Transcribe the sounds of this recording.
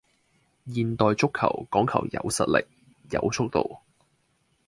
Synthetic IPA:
jiː˨nt̪ɔː˨jt͡sʊ˥kʰːɐ̰˨˩wkɔː˨˥ŋkʰɐ̰˨˩wjɐ̰˨˧wsɐ̰˨t̚lɪ˨k̚ | jɐ˨˧wt͡sʰʊ˥k̚t̪o̰˨w

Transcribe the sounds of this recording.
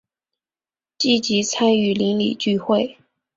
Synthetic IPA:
t͡ɕi˥˩t͡ɕi˧˥t͡sʰa˥ny˥˩li˧˥ŋlḭ˨˩t͡ɕy˥˧xwe˥˩ɪ

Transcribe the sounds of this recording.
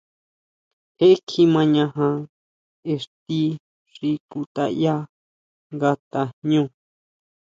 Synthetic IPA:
he˦e˦kʰi˧mã˧ɲã˧ɦã˧ | e˧ʂt̪i˦ | ʐi˧ku˧t̪a̰˧ja˦ | ŋɡa˧t̪a˧ɲũː˦˨

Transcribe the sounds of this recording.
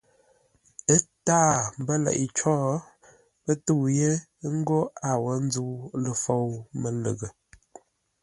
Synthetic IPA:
ə˦taː˦˨m˦bə˦lɛ̰˨ʔi˨t͡ʃɔː˦ | pə˦tu˦˨wje˦ | ŋ̩˦ɡo˦a˨wə˨˦n˦d͡zu˦lə˨fo˦˨wmə˨lə̰˨ɣə˨

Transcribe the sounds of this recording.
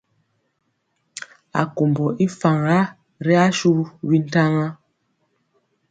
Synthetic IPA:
a̰˨ko˨mbɔ˨ʔi˦fa˨ŋɾa˦ | ɾɛ˦a˦ʃu˦wi˦n˦ta˦ŋa˦

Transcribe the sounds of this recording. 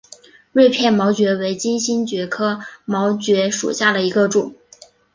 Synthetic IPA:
ɻe˥˧ɪpʰjɛ˥˩nmɑ˧˥ʊt͡ɕɥɛ˧˥we˧˥ɪt͡ɕi˥nɕi˥nt͡ɕɥɛ˧˥kʰɤ˥mɑ˧˥ʊt͡ɕɥɛ˧˥ʂṵ˨˩ɕja˥˩d̪ə˩i˧˥ɡə˧ʈ͡ʂʊ˨˩˦ŋ

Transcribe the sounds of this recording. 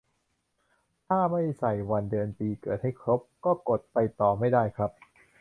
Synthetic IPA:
t̪ʰaː˥˩ma˥˩jsa˨˩jwa˧ndɯ˧ənpiː˧kɤː˨˩t̪̚ha˥˩jkʰɾo˦˥p̚kɔː˥˩ko˨˩t̪̚pa˧jt̪ɔː˨˩ma˥˩jdaː˥˩jkʰɾa˦˥p̚

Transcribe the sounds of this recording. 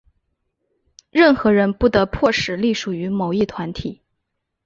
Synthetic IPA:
ɻə˥˩nxɤ˧˥ɻə˧˥npu˥˩t̪ɤ˧˥pʰwɔ˥˩ʂɻ̩˨˩li˥˩ʂu˨˩y˧˥mo˨˩ʊi˥˩t̪ʰwa˧˥nt̪ʰi˨˩˦

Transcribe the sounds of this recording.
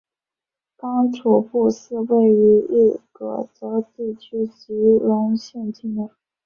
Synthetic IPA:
kɑ˥ŋʈ͡ʂʰu˨˩pu˥˧ʂɹ̩˥˧we˥˩ɪy˧˥i˥˩kɤ̰˧˩t͡sɤ˧˥ʊt̪i˥˩t͡ɕʰy˥t͡ɕi˧˥ɻə˧˥nɕjɛ˥˧nt̪ʰi˥˩ŋə˧˩

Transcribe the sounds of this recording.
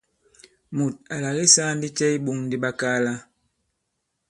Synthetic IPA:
mu˨t̚a˨la˨ɣi˦sa˦n˦di˦t͡ʃɛ˦i˦ɓu˦ŋndi˦ɓa˦kaː˦la˦

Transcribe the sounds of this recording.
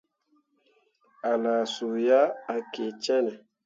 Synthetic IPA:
a˨la˨su˨ja˦a˨ke˨t͡ʃɛ˦nɛ˨

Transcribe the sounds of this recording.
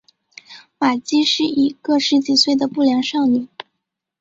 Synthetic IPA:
ma˨˩t͡ɕi˥ʂɻ̩˥˩i˨˩kɤ˥˩ʂɻ̩˧˥t͡ɕi˨˩swe˥˩ɪd̪ə˩pu˥˩ljɑ˧˥ŋʂɑ˥˩ŋny˨˩˦

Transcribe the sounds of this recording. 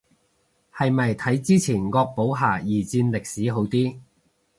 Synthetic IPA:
hɐ˨jmɐ˨jt̪ʰɐ˨˥jt͡siː˥t͡sʰiː˨˩nkɔː˧k̚po˨˥wɦaː˨˩jiː˨˩t͡siː˧nlɪ˨k̚siː˨˥ɦo˨˥wt̪iː˥

